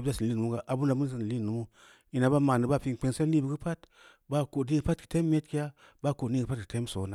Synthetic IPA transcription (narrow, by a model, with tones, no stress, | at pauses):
ba˦˨si˨n˨li˦nu˨˦u˦ɡa˨ʔa˨bu˦n˦la˨mu˦n˦s̬i˨n˨li˦˨nu˨mu˦ | i˨na˨ba˦ma˨ni˨ba˦˨fi˧ŋ˨k͡pe˧nse˦li˦bi˨ɡɨ˦pa˦t | ba˦ko˨di˦ɡɨ˨˦pa˦tki̥˨te˦mː˦e˦tki˦ja˦ | ba˦˨ko˨ni˦ɡɨ˨pa˦tki̥˨te˦m˦so˨na˨